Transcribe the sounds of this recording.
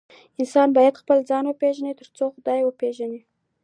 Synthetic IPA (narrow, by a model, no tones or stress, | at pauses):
ɪnsɑnbɑjad̪xpəld͡zɑnwəpeʒanit̪əɾt͡soxʊd̪ɑjwəpeʒani